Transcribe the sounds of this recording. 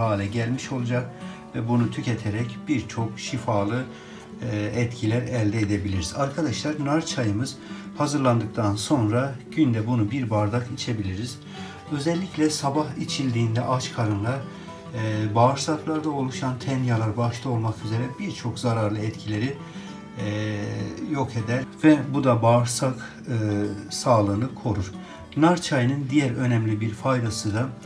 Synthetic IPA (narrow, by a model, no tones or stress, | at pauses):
aːlʲɛɟælʲmiʃo̞lˠud͡ʒak̚vɛbunut̪ʰycʰet̪ʰeɾɛcb̥iɾt͡ʃʰo̞kʃifaːlˠɯ | ɛt̪cʰilʲæɾɛlʲd̪ɛed̪ebilʲiɾizaɾkʰad̪aʃlˠaɾnaɾt͡ʃʰajɯmɯz̥hazɯɾlˠand̪ɯk̚t̪ʰanso̞nɾaɟ̥ynd̪ɛbunubiɾbaɾd̪akit͡ʃʰe̞bilʲiɾiz̥ | ø̞zɛlʲːiclʲɛsabaɦit͡ʃʰilʲd̪iːnd̪ɛʔat͡ʃkʰaɾɯnlˠaɾ | baːɾsaklˠaɾd̪ao̞lˠuʃant̪ʰɛnjalˠaɾbaʃt̪ˠao̞lˠmakyze̞ɾɛbiɾt͡ʃʰo̞kzaɾaɾlˠɯɛt̪cʰilʲe̞ɾi | jo̞kʰed̪æɾvɛbud̪abaɾsakː | saːlˠɯːnɯkʰo̞ɾuɾ̥ | naɾt͡ʃʰajnɯnd̪ijæɾø̞nɛmlʲibiɾfajd̪asɯd̪a